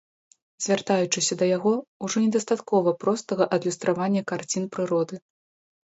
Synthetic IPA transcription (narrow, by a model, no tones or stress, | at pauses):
zʲvʲart̪ajut͡ʂɨsʲɐd̪ɐjaɣɔuʐɔnʲɛd̪ɐst̪at̪kɔvɐpɾɔst̪ɐɣɐʔɐd̪lʲust̪ɾavanʲːɐkart͡sʲinpɾɨɾɔd̪ɨ